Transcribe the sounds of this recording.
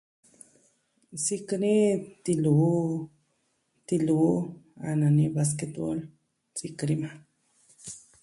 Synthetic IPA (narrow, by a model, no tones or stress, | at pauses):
siknit̪ilu | t̪ilua̰nanibas̬ket̪o̰l | t͡sikɾima